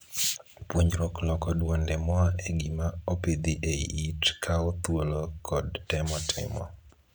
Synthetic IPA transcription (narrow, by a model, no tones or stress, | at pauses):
pwoɲɾɔklɔkɔdwɔndɛmɔaeɡɪmaoped̪iʔeitkʰaot̪wolokʰɔdtɛmɔtʰɪ̰mɔ̰